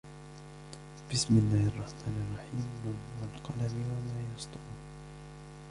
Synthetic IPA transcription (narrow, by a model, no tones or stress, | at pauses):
b̥ɪsmɪlːaːhɑrˤːɑħmaːnɑrˤːɑħiːmwanwalqɑlamɪwamaːjɑsˤt̪ʊuː